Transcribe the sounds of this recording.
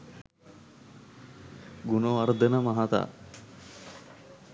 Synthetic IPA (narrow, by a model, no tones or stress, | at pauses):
ɡunoaɾd̪ənəmaɦat̪a̰ː